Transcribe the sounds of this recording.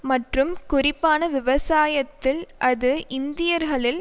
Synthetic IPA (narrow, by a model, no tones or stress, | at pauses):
mɐʈrɯmkʊrɪpːaːnɐʋɪʋɐsaːjɐt̪ːɪlʔɐðɯʔɪnd̪ɪjɐɾɣɐɭɪl